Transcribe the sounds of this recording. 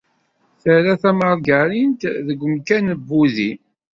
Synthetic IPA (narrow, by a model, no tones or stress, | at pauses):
θəɾæθæməɾˤɡæɾint̪ðəɡʷːəmkænəbːuði